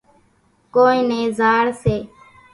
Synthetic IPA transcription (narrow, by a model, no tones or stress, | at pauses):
koːĩːneːzaːɽseː